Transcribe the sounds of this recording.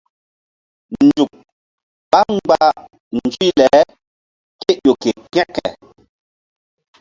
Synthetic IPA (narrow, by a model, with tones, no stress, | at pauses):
n̩˨d͡ʒu˨k̚ | ɓa˦ŋ˦ɡ͡ba˦ | n˨d͡ʒwi˦lɛ˨˦ | ke˦ʔjo˨ke˨kɛ˦kɛ̰˨